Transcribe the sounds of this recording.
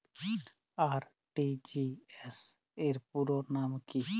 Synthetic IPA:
aɾ | ʈid͡ʒiɛs | eɾpuɾonamki

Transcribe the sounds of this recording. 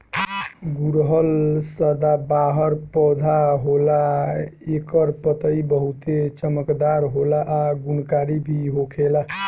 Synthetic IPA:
ɡuɾɦəlsəd̪abaɦəɾpɔd̪ʱaɦola | ekəɾpət̪əibəɦut̪et͡ʃəməkd̪aɾɦolaʔːɡunkaɾibʱiɦokʰela

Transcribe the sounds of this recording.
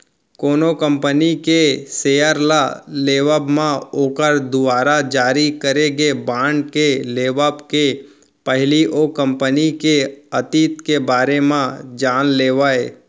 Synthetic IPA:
koːnokə̃mpənikeseːjəɾlaleːʋəbmãoːkəɾd̪ʊbaːɾad͡ʒaːɾikəɾeɡebãːɳɖkeleːʋabke | pəɦliʔokə̃mpənikeət̪iːt̪kebaːɾemãd͡ʒaːnleːʋaːeː

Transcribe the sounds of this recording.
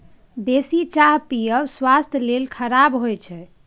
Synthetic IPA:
besit͡ʃaɦpiəswast̪ʰjəlelkʰəɾabɦojt͡ʃʰɛ

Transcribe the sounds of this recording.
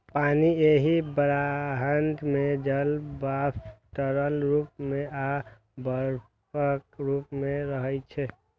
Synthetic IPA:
paːnieɦibəɾaɦənd̪mẽd͡ʒəlbapʈəɾəlɾup̚mẽʔa | bəɾ | pək̚ɾupmẽɾəɦət͡ʃʰɛ

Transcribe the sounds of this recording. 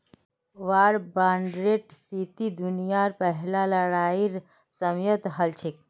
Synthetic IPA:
ʋaɾbaɳɖɾeʈsit̪id̪unijaɾpəɦlaləɽaiɾ | səmjət̪ɦəlt͡ʃʰik̚

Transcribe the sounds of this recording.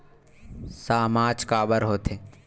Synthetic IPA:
saːmaːd͡ʒkaːbəɾɦoːt̪e

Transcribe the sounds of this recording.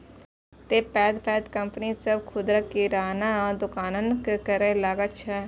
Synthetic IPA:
t̪eːpɛːd̪pɛːd̪kəmpənisəbkʰʊd̪ɾəkːiɾaːnããd̪ʊkaːnənkkəɾẽlaːɡətt͡ʃʰa

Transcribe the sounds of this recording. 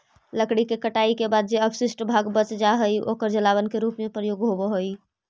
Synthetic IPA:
ləkɽikekəʈaikebad̪̚d͡ʒeəbsisʈbʱaɡbət͡ʃd͡ʒaɦəjo̰kəɾd͡ʒəlaβənkeɾupmepɾəjoɡɦobɔɦoj

